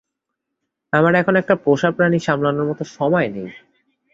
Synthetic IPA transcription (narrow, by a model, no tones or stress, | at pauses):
amaɾɛkʰonoɛk̚ʈapoʃapɾaniʃamlanoɾmɔt̪oʃɔmɔenej